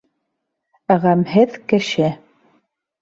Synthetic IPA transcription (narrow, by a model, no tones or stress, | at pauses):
æʁæmɦɘðkɘ̆ʃɘ